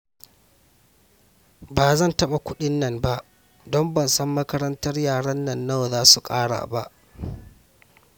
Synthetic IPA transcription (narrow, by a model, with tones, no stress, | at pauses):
baː˨zɐ˦˨ntɐ˦ɓa˨kʷʊ˦ɗɪ˦nːɐ˨mba˦ʔ | dɔ˦mbɐ˨nsɐ˦mːɐ˦kɐ˦ɾɐ˦ntɐ˦rjaː˨ɽɐ˦nːɐ˨nːa˦˨wzaː˦su˨kʼaː˦ɽa̰ː˨ba˦ʔ